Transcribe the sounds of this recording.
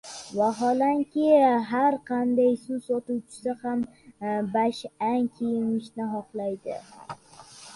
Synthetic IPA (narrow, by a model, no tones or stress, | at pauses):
vaɦɒlaŋkʲɪɦaɾqʰɑnd̪ajsʊsɒt̪uwt͡ʃʰɪ̥sɪhambaʃaŋkʲʰejɪŋɪʃnɪɦɒqlˠajd̪ɪ̰